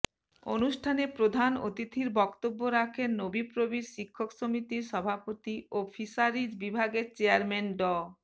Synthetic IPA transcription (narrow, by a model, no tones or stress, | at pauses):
o̰nuʃʈʰanepɾod̪ʱano̰t̪it̪ʰiɾbɔkt̪obːoɾakʰennobipɾobiɾʃikʰːoksomit̪iɾʃɔbʱapot̪iopʰisaɾid͡ʑbibʱaɡeɾt͡ɕeaɾmenɖɔ